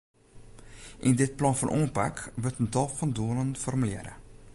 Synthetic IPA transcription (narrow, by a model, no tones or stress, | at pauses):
ʔɪndɪt̚plɑnfɔnʔoːənpa̰kʋɵtəntɔlˠfɔnduəlˠənfɔrmylɛ̰ːɾə̰